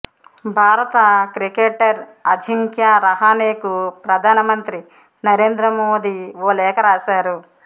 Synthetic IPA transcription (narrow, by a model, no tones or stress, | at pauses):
bʱaːɾɐt̪ɐkɾikeːʈɐɾɐd͡ʒʱiŋkjaːɾɐɦaːneːkupɾɐd̪ʱaːnɐmɐnt̪ɾi | nɐɾe̞ːnd̪ɾɐmoːd̪iʋoːlɛːkɐɾaːʃaːɾu